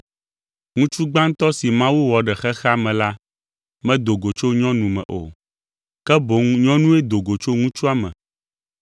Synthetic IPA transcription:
ŋũ˦t͡ʃu˦ɡ͡bã˦ŋ̩˦t̪ɔ˦si˨mã˦wu˦wɔ˨ɖɛ˨xɛ˦xɛ˦a˦mɛ̃˨la˦ | mɛ̃˦d̪o˨ɡo˨t͡ʃo˦ɲɔ̃˦nũ˨mɛ̰̃˨ʔo̰˨ | kɛ˦bo˨˦ŋɲɔ̃˦nũ˦ɛ˦d̪o˨ɡo˨t͡ʃo˦ŋũ˦t͡ʃu˦a˦mɛ̰̃˨

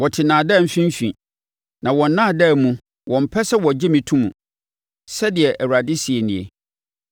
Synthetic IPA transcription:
wɔ˨tʰɪ˨nãː˨dɛ˦˨m̩˨fĩ˦m̩˦fḭ̃˨ | nã˨wɔ̃˨n̩˦nːã˦˨dɛ˦˨mũ˨ | wʔɔ̃˨m̩˨pʰɛ˦sɛ˦wɔ˨d͡ʑɪ˦mĩ˨tʰũ˦mṵ̃˨ | sɛ˦dɪ˨ɛ˨ʔæ˨wa˨dɪ˦si˨e˨nĩ˨ḛ˨

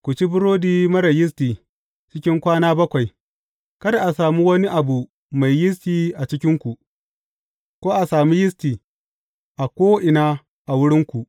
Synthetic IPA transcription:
kʷu˨t͡ʃi˦bʊ˦ɾoː˦diː˦mɐ˦ɽɐ˨jɪ˦s̬tiː˨ | t͡ʃɪ˦kʲɪ˦ŋkʷaː˦naː˦bɐ˦kʷa˨j | kɐ˦da˨ʔa˨saː˨mu˦wɐ˦ni˦ʔa˨bu˨ | ma˨jːɪ˦s̬tiː˨ʔa˨t͡ʃɪ˦kʲɪ˦ŋkʷu˨ʔ | kʷoː˦ʔa˨saː˨mi˦jɪ˦stiː˨ | ʔa˨kʷoː˦ʔɪ˨naː˦ | ʔa˨wʊ˦ɽɪ˦ŋkʷu˨ʔ

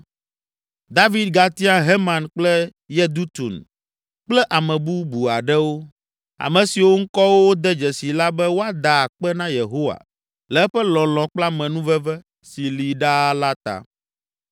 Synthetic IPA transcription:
d̪a˦vi˦d̪̚ɡa˨t̪i˦a˦ɦe˦mã˨nk͡plɛ˦ | jɛ˦d̪u˦t̪u˨n | k͡plɛ˦ʔa˨mɛ̃˨bu˦bu˨a˨ɖɛ˦wo˦ | a̰˨mɛ̃˨si˨wo˦ŋ̩˦kɔ˦wo˦d̪ɛ˦d͡ʒɛ˨si˨la˦bɛ˦wo˦a˦d̪a˨k͡pɛ˦nã˦je˨ɦo˦wa̰˨ | lɛ˨ɛ˦ɸɛ˦lɔ̃˨lɔ̃˨k͡pla˦mɛ̃˨nũ˦vɛ˦vɛ˦ | si˨li˨ɖa˦la˦t̪a̰˨

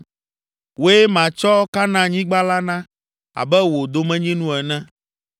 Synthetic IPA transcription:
wo˦e˦mã˨t͡ʃɔ˦ka˦nã˦ɲĩ˦ɡ͡ba˦la˦nã˦ | a̰˨bɛ˦wo˨d̪o˨mɛ̃˦ɲĩ˦nũ˦ɛ˨nɛ̃˦

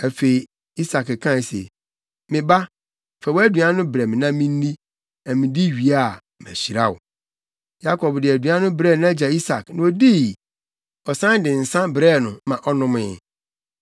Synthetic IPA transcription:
æ˨fe˨i˨ | i˦sa˨kɛ˨kʰã˦˨sḛ˨ | mɪ̃˨ba˦ | fɛ˨wɔ˦æ˦dɥa˦nʊ̃˦bɾɛ˨mɪ̃˨nã˦mĩ˦n˦nĩ˦ | nã˨mɪ̃˨di˦ɥi˨a˦˨m˨æ̰˨ɕi˨ɾa̰˦wʊ̰˨ | ja˦kʰɔ˨bdɪ˨æ˨dɥu˨ã˦nʊ̃˦bɾɛ˦˨ñ˦a˦d͡ʑa˨i˦sa˨knã˨o˦di˦˨ | ɔ˨sã˦n˦dɪ̃˨n̩˨sã˦bɾɛ˦˨nʊ̃˨mã˨ʔɔ˦nʊ̃˦mɪ˦˨

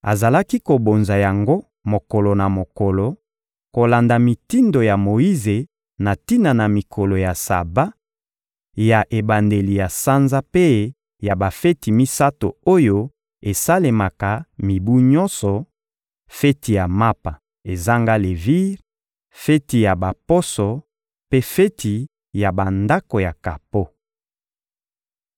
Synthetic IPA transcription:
a̰˨za˨la˦ki˦ko˨bo˨nza˨ja˨ŋɡo˦ | mo˨kɔ˨lo˨na˨mo˨kɔ˨lɔ˨ | ko˨la˨nda˨mi˨ti˦ndo˨ja˨mo˨i˦ze˨ | na˨ti˦na˨na˨mi˨kʰɔ˨lo˨ja˨sa̰˨ba˦ | ja˨ʔe˨ba˨nde˨li˨ja˨sa˦nza˦pe˦ | ja˨ba˨fe˦ti˨mi˦sa˦to̰˨o˦jo˦ | e˨sa˦le˨ma˨ka˨mi˨bu˦ɲɔ˦nsɔ˨ | fe˦ti˨ja˨ma˦pa˨ | e˨za˦ŋɡa˦le˨vi˦ʁ | fe˦ti˨ja˨ba˨pɔ˦sɔ˨ | pe˦fe˦tʰi˨ | ja˨ba˨nda˦ko˨ja˨ka˨po˦

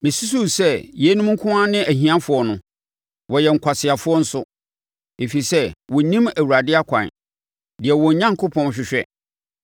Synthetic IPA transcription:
mɪ̃˨su˦su˦sɛ˦˨jɛ˨˦nũ˦mŋ̩˦kʰʊ̃˦ã˦nɪ̃˦ʔæ˨ɦĩ˨ã˦fʊ˨ɔ˨nʊ̃˦ | wɔ˨jɛ˨ŋ̩˨kʷʰa˨sɪ˨a˨fʊ˦ɔ˦n̩˦sʊ˦ | e˨fi˨sɛ˦wɔ˨nĩ˦mæ˨wu˨ɾa˨dɪ˦a˦kʷʰã̰˨n˨ | dɪ˨ɛ˨wɔ˨ɲã˦ŋkʰʊ˦pʰɔ̃˦nɕᶣɪ˨ɕᶣɛ˦

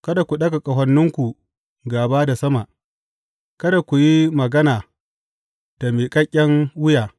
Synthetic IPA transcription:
kɐ˦da˨kʷu˨ɗɐ˦ɡa˨kʼɐ˨ɦɐ˦nːʊ˦ŋkʷu˨ | ɡaː˨baː˦da˨sɐ˦ma˨ʔ | kɐ˦da˨kʷu˨ji˦mɐ˨ɡɐ˦naː˨ | d̥a˨miː˨kʼɐ˦kʲʼːɐ˦ŋwʊ˦jaː˨

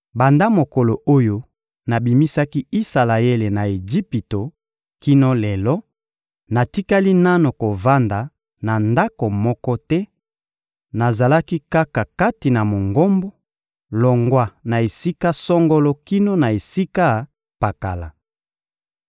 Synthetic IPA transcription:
ba˨nda˦mo˨ko˨lo˨ʔo˦jo˦ | na˨bi˨mi˦sa˦ki˦i˦sa˨la˨e˦le˨na˨e˨d͡ʒi˦pi˨to˨ | ki˦no˦lɛ˨lɔ˦ | na˨ti˦ka˦li˦na˦no˨ko˨va˦nda˨ | na˨nda˦ko˨mɔ˦kɔ˦tɛ˦ | na˨za˨la˦ki˦ka˦ka˨ka˦ti˨na˨mo˨ŋɡo˦mbɔ˦ | lɔ˨ŋɡwa˦˨na˨e˨si˦ka˦sɔ˦ŋɡo˦lɔ˦ki˦no˦na˨e˨si˦ka˦ | pa˨ka˨la̰˨

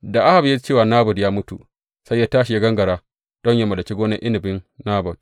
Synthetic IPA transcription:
da˨ʔa˦ha˨bje˦t͡ʃeː˦˨waː˨naː˦bɔ˨djaː˦mʊ˦tṵ˨ | sa˦jːaː˦taː˦ʃi˨ja˦ɡɐ˦ŋɡɐ˨ɽaː˦ | d̥ɔ˦ɲja˦mɐ˨da˨kʲi˦ɡʷoː˦nɐ˦ʔɪ˦nɪ˨bɪ˦nnaː˦bɔ˨d̥

